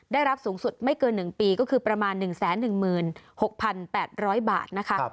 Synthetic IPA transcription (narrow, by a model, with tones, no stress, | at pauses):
daː˥˩jɾa˦˥p̚suː˩˦ŋsu˨˩t̪̚ma˥˩jkɤː˧nːɯ˨˩ŋpiː˧kɔː˥˩kʰɯː˧pɾa˧maː˧nːɯ˨˩ŋsɛː˩˦nːɯ˨˩ŋmɯː˨˩nho˨˩k̚pʰa˧npɛː˨˩t̪̚ɾɔː˦˥jba̰ː˨˩t̪̚na˦˥kʰa˦˥